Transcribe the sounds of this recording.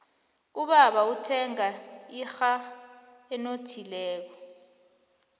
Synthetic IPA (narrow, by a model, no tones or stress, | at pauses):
uɓaɓautʰɛŋaixa | ɛnotʰilɛːk̬ɔ